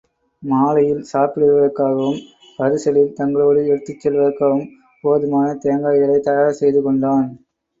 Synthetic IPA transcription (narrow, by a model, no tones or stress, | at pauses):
maːlɐjɪlsaːpɪɽɯɾɯʋɐðɐɾkːaːɣɐʋɯm | pɐɾɯsɐlɪlt̪ɐŋɡɐɭoːɽɯɛɾɯt̪ːɪt͡ʃːɛlʋɐɐɾkːɐʋɯm | poːðɯmaːnɐt̪ejɐŋɡaːjɣɐlɐɪt̪ːɐjaːɾɐsɛjðɯkɔɳɖaːn